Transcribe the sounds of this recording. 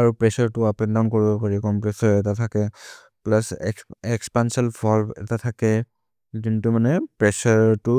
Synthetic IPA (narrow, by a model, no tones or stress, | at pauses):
aɹupɹɛsaɹtʊapɛndankoɹibɔpaɹikɔmpɹɛsɔɹɛtatʰakɛ | plasɛɛkspansɔlpʰɔlbɛ̰tatʰakɛ | zintʊmanɛpɹɛsaɹtʊ